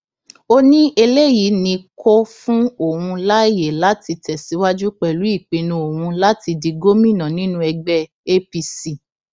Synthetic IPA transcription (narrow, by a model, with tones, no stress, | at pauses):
o˧nĩ˦e˧le˦ji˨˦nĩ˧kʰo˦fũ˦o˦˨wũ˧la˦i˦˨je˨la˨˦ti˧tɛ˨si˨˦wa˦d͡ʒu˦k͡pɛ˨lu˨˦i˦˨k͡pĩ˧nũ˧o˨wũ˧la˦ti˧di˧ɡo˦mĩ˦˨nã˨nĩ˦nũ˦ɛ˧ɡ͡bɛ˦ | e˦pi˧si˦˨